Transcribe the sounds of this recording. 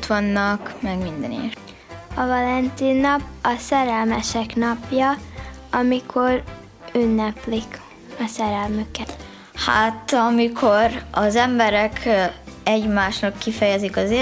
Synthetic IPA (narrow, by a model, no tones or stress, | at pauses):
t̪ʋɒnːɒkmɛɡmind̪ɛ̰nḛ | ɒvɒlɛnt̪iːnːɒpɒsɛɾɛlmɛʃɛknɒpjɒɒmikʰo̞r | ynːɛplik | ɒsɛɾɛlmykɛ | ha̰t̪ɒmikʰo̞ɾɒzɛmbɛɾɛkʰ | ɛɟmaːʃnɒkːifɛjɛzikɒze